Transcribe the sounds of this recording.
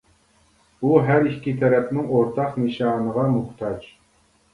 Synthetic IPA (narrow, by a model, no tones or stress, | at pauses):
uɦæɾikʲʰːit̪ʰɛɾɛpnɪŋoɾt̪ʰɑqnɨʃɑːnəʁɑmuχt̪ʰɑd͡ʒ